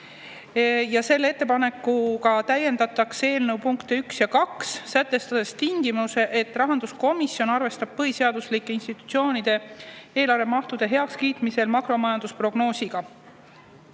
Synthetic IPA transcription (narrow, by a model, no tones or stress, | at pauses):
jɑse̞lːee̞t̪ːepɑne̞kːˑukɑt̪æje̞nd̪ɑt̪ːˑɑkse̞ːlnewpuŋkt̪eyksjɑkɑksːæt̪ˑːe̞st̪ɑd̪̥e̞st̪iŋɡ̥imuse̞ʔet̪ːˑrɑɦɑnd̪̥usko̞misjo̞nɑrve̞st̪ɑb̥̚pɤɦise̞ɑd̪̥uslikːˑe̞inst̪it̪ːˑu̥t̪sio̞ːnid̪̥e̞e̞ːlɑɾvemɑht̪ud̪̥e̞ɦe̞ɑkskiːt̪ˑmise̞lmɑkro̞mɑjɑnd̪uspro̞ɡ̥no̞ːsiɡ̥ɑ